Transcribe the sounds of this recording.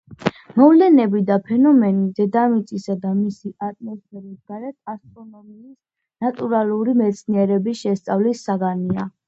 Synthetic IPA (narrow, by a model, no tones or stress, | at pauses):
mɔvlɛnɛbid̪apʰɛnɔmɛnid̪ɛd̪amit̪sʼisad̪amisiʔat̪ʼmɔspɛɾisɡaɾɛt̪̚ʰast̪ʼɾɔnɔmiːs | nat̪ʼuɾaluɾimɛt̪sʰniɛɾɛbisʃɛst̪sʼavlisːaɡania